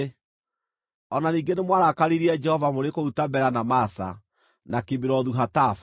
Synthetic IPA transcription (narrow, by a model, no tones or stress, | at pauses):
ɔnaniːŋɡenemwaɾakaɾiɾiɛd͡ʒɛhɔvamoɾekoutambɛɾanamasa̰ | nakebiɾɔðuɦataf